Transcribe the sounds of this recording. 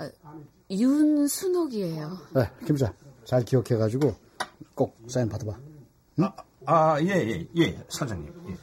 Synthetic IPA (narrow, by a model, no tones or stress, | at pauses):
junsʰunoɡiejojekimsat͡ɕaɭkiokʰeɣad͡ʑiɡo | k͈ok̚s͈ajinpad̪ba | ajejḛjesʰad͡ʑaŋɲḭmje